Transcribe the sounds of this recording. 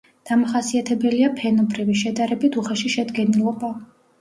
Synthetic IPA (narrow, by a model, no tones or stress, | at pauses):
d̪̥amaχasiat̪ʰɛbɛliapʰɛnɔbɾiviʃɛd̪aɾɛbit̪ʰuχɛʃiʃɛd̪ɡɛnilˠɔba